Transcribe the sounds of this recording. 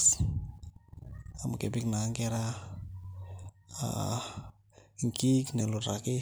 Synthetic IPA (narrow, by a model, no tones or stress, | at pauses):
s | amkḛpiknaŋɡeɾa | a̰ | ŋkikneloɾaki